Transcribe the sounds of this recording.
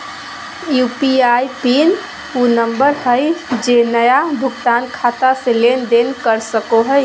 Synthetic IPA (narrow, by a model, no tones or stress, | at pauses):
jupiajpin | unəmbəɾhəjd͡ʒenəjabʱʊɡt̪ankʰat̪aselend̪enkəɾsəkoɦəj